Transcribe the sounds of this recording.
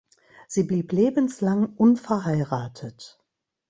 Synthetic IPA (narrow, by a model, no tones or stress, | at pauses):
z̥iːbliːpleːbən̩slaŋʔʊnfɛɐɦaɪʁaːtʰət